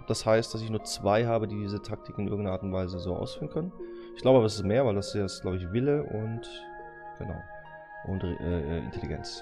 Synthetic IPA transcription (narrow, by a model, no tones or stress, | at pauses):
d̥ashaɪst̚d̥as̬ɪçnuːɐt͡sv̥aɪɦaːbədiːdiːzətʰak̚tʰɪkɪnʔɪɐɡŋ̩nɐʔaːtʊntv̥aɪzəzoːʔa̰ʊsfyːʁənkʰœnənɪçɡ̥laʊbəabɐasɪstmeːɐvaɪldasstɡ̥laʊbəɪçvɪləʔʊnt | ɡ̥əna̰ʊ | ʔʊntʁʔɛːʔɛːʔɪ̰ntʰɛliɡɛ̰nt͡s